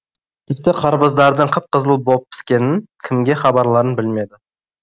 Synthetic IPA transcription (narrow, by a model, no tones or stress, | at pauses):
t̪ʲʰɪp̚t̪ɪqʰɑɾbəzd̪ɑɾd̪əɴqʰəp̚qʰəzəlˠbop̚ːʰɪ̥skʲe̞nɪnkʲʰɪmɡʲe̞χɑbɑɾlˠɑɾənbɪlme̞d̪ɪ